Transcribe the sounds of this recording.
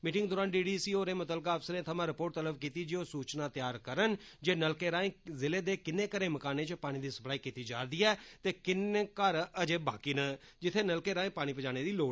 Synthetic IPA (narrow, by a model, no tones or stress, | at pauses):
miːʈɪ̃ŋɡd̪oːɾaːnɖiːɖiːsiːoːɾẽːmət̪əlkaːəfsəɾẽːt̪ʰəmãːɾɪpoːʈ̚t̪ələbkiːt̪iːd͡ʒiːoːsuːt͡ʃnaːt̪ɪjaːɾkəɾən | d͡ʒeːnəlkeːɾaːẽːzɪleːd̪eːkɪnːeːkəɾẽːməkaːneːt͡ʃpaːɽ̃iːd̪iːsə̥plaːiːkiːt̪iːd͡ʒaːɾd̪iːɛːt̪eːkɪneːkəɾəd͡ʒeːba̰ːkiːnə | d͡ʒɪt̪ʰːeːnəlkeːɾaːẽːpaːɽ̃iːpəd͡ʒaːɽ̃eːd̪iːloː